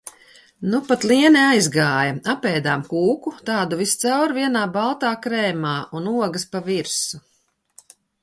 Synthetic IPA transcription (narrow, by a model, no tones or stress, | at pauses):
nupat̪lˠiɛniajzɡaːjɐapɛjd̪aːmkuːkut̪ɑːd̪uvist̪sawɾviɛnaːbalˠt̪aːkɾɛːmaːunuɔɡɐspaviɾsu